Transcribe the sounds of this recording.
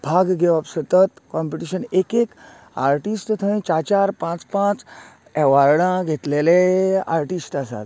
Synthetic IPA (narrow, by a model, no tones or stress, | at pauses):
bʱaɡɡʱeʋapsət̪ət̪kɔ̃mpiʈiɕənekek | a̰ɾʈisʈt̪ʰəĩt͡ɕat͡ɕaɾpãt͡spãt͡s | ɛʋaɾɽãɡʱet̪lelea̰ɾʈisʈasa̰t̪